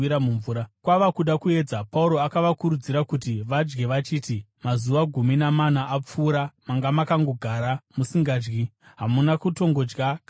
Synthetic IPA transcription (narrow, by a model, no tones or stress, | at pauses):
iɾamuɱvuːɾakwaʋakuɗakue̞d͡zapauɾo̞akaʋakuɾud͡ziɾakutiʋad͡ʒɡe̞ʋat͡ʃiːti | mazuʋaɡʱuminamanaːp͡fuːɾamaŋɡamakaŋɡo̞ɡʱaːɾamusiŋɡaːd͡ʒɡiɦamunakuto̞ŋɡo̞d͡ʒɡak